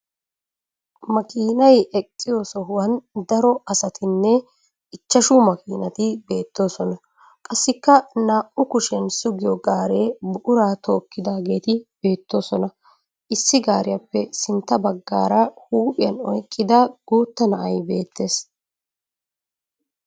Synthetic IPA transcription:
mɐkiːnɐjɛkʼːɪjoːsɔɦʊwɐnd̪ɐɾɔɐsɐt̪ɪnːɛ | ɪt͡ʃːɐʃuːmɐkiːnɐt̪ɪbe̞ːt̪ːo̞ːsɔnɐ | kʼɐsːɪkːɐnaːʔʊkʊʃɛnsʊɡɪjɔɡaːɾeːbʊʔʊɾaːt̪o̞ːkːɪd̪aːɡe̞ːt̪ɪb̥e̞ːt̪ːo̞ːsɔnɐ | ʔɪsːɪɡaːɾɪjɐpːɛsɪnt̪ːɐbɐɡːa̰ːɾɐhuːpʼɪjɐnɔjkʼːɪd̪ɐɡ̥uːt̪ːɐnɐʔɐjbe̞ːt̪ːe̞ːs

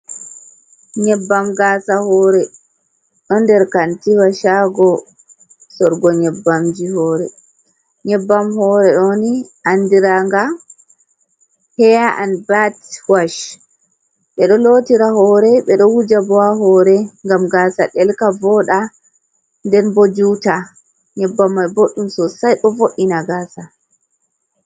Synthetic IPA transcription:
ɲɛbːamɡasahɔɾɛ | ɗɔndɛɾkantiwaʃaɡɔ | sɔɾɡɔɲɛbːamd͡ʒihɔːɾɛ | ɲɛbːamhɔɾɛɗɔniʔandiɾaŋɡa | hɛjaʔanbatwaʃ | ɓɛɗɔlotiɾahɔɾɛɓɛɗɔwud͡ʒabɔaɦɔɾɛŋɡamɡasaɗɛlkavɔɗa | ndɛnbod͡ʒuta | ɲɛbːamːajboɗːumsɔsajɗɔvoʔːinaɡaːsa

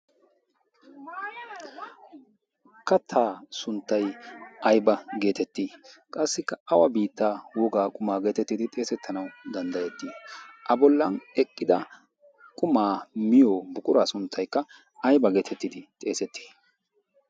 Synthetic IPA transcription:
kɐt̪ʰaːsʊnt̪ːɐjɐjbɐɡe̞ːt̪ɛt̪ːiːkʼɐsːɪkːɐɐwɐbiːt̪ːaːwɔɡaːkʼʊmaːɡe̞ːt̪ɛt̪ːɪd̪ɪt̪ʼe̞ːsɛt̪ːɐnɐwd̪ɐnd̪ɐjɛt̪ːiʔɐbɔlːɐnɛkʼːɪd̪ɐ | kʼʊmaːmɪjoːbʊkʼʊɾaːsʊnt̪ʰːɐjkːɐ | ɐjbɐɡe̞ːt̪ʰɛt̪ːɪd̪ɪt̪ʼe̞ːsɛt̪ːi̥

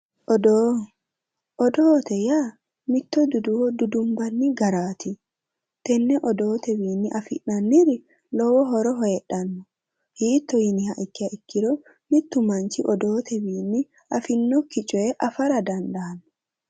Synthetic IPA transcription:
ʔɔd̪oː | ʔɔd̪oːt̪ɛja | mɪt̪ːɔd̪ʊd̪ʊwɔd̪ʊd̪ʊmbɐnːɪɡɐɾaːt̪ɪ | t̪ɛnːɛʔɔd̪o̞ːt̪ɛbiːnːɪʔɐfɪ̰ʔːɐnːɪɾɪ | lɔwɔɦɔɾɔɦɔjɛɗːɐnːɔ | hiːt̪ːɔjɪnɪhɐʔɪkːɪɐʔɪkːɪɾɔ | mɪt̪ːʊmɐnt͡ʃɪʔɔd̪oːt̪ɛwiːnːɪ | ʔɐfɪnːɔkɪt͡ʃʼɔjɛʔɐfɐɾɐd̪ɐnd̪ɐɐnːɔ̥

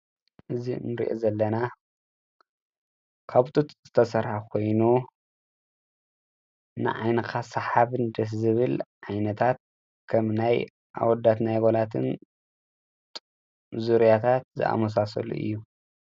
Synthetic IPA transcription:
ʔɨzinɨɾḭʔo̰zɐlːɐna | kʰaβt̪ʼut̪z̥ɨt̪ʰɐsɐɾhakʰo̞jnu | nɨ̰ʕa̰jnɐkʰasɐħaβɨnd̪ɐszɨβɨlʕajnɐt̪ʰat̪̚ | kʰɐmnaj | ʔa̰wɔd̪ːat̪najɡolat̪ʰɨn | tʼ | zuɾijat̪ʰat̪̚zɨ̰ʔa̰mɐs̬asɐ̰lṵʔɨ̰jːu

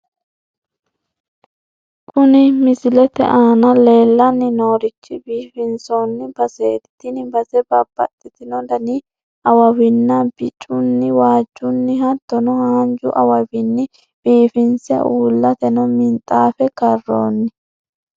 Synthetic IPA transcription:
kʼʊnɪmɪsɪlɛt̪ɛ̰ʔaːnɐle̞ːlːɐnːɪno̞ːɾɪt͡ʃːɪbiːfɪnsoːnːɪbɐseːd̪ɪt̪ɪnɪbɐsɛbɐbːɐ̰t̪ʼːɪt̪ɪnɔd̪ɐnɪ | ʔɐwɐwɪnːɐb̥ɪt͡ʃʼːʊnːɪwaːd͡ʒːʊnːɪɦɐt̪ːɔnɔhand͡ʒʊʔɐwɐwɪnːɪ | b̥iːfɪnsɪjɐ̰ʔuːlːɐt̪ɛnɔmɪnt̪ʼaːfɛkɐrːo̰ːnːɪ

